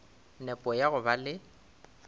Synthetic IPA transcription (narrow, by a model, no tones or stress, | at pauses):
nɛpʼɔjaɣʊbalɪ